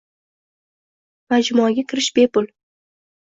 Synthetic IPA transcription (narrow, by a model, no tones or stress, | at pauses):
mad͡ʒmɔaɡʲakʲʰɪɾɪʃbe̞pʊl